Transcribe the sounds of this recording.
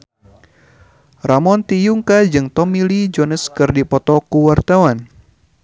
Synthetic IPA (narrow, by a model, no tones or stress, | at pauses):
ramɔnt̪ijuŋkad͡ʒɨŋt̪ɔmilid͡ʒɔnəskɨrdipɔt̪ɔkuwart̪awan